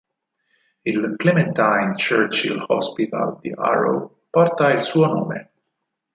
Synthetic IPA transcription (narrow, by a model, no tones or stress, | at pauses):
ilklɛmɛ̃nt̪ajnt͡ʃəɾt͡ʃḭlhɔ̰spit̪a̰ld̪iʔa̰ɾo̰ | pɔrt̪ailsuːonoːme